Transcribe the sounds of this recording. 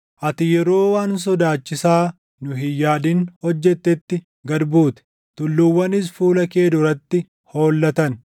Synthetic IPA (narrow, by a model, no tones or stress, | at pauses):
ʔɐt̪ɪjɛɾo̞ːwaːns̬ɔd̪aːt͡ʃːɪsaː | nʊɦɪjaːd̪inhɔd͡ʒːɛt̪ːɛt̪ːɪ | ɡɐd̪buːt̪ɛ̥ | t̪ʊlːʊwːɐnɪs̬fuːlɐke̞ːd̪ʊɾɐt̪ːɪ | ho̞ːlːɐt̪ɐn